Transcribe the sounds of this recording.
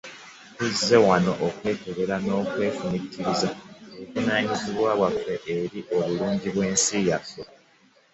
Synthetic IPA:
tuze̞wano̞ʔokwe̞ːke̞ɾe̞ɾano̞ːkwe̞ːfuniciɾizaokunaːɲiziβwaːβwafːe̞ʔeɾiʔo̞βuluːɲɟiβwe̞ːnsijafo

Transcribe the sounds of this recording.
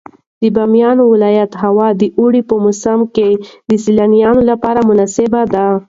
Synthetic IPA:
d̪əbɑmjɑnowɪlɑjat̪ɦawɑd̪əʔuɽipəmʊsamked̪əsilanijɑnolapɑɾamʊnɑsɪbad̪a

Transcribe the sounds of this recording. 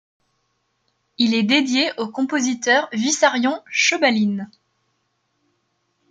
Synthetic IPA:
ilɛd̪ed̪jeʔokɔ̃pozit̪œʁvisaʁjɔ̃ʃəbalin

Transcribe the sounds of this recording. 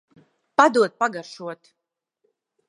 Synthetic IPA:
pad̪uɔt̪̚paɡaɾʃuɔt̪

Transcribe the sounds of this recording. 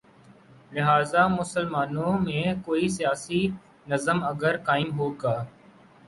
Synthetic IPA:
lɪɦaːzaːmʊsəlmaːnõːmẽːkoːis̬ijaːsi | nəzəməɡəɾkaːɪmɦoːɡaː

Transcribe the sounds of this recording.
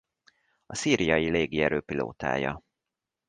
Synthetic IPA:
ɒsiːɾijɒjileːɡiɛɾøːpilo̰ːt̪a̰ːjɒ

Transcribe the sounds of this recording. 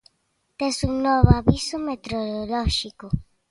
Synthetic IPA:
t̪esuŋnoβoaβisumet̪ɾoɾoloʃiko

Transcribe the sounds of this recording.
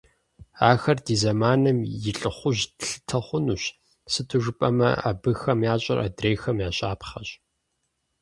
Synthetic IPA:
aːxɐrdiːzɐmaːnɐmjɪɬʼɨχʷʊʑɬɨ̥tʰɐχʷʊnuːɕ | sɨtʰɨʒʊpʼɐmɐ̰ʔa̰ːbɨxɐmjaːɕʼɐ̰rʔa̰ːdreːxɐmjaːɕʼaːpχɐɕʼ

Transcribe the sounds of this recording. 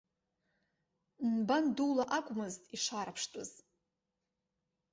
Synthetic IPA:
nbanduwlaʔakʷʼmɨztʼiʂaɾapʰʂtʼʊz̥

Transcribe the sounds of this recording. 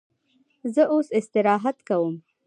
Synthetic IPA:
zəʔosɪst̪ɪɾɑɦat̪kawəm

